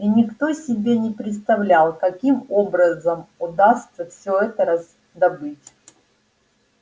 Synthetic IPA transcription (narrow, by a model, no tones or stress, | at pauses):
inʲɪkt̪o̞sʲɪbʲenʲɪpɾʲɪt̪st̪ɐvlʲalˠkɐkʲimobɾəzəmʊd̪ast̪səfsʲɵɛt̪əɾɐz | d̪ɐbɨtʲ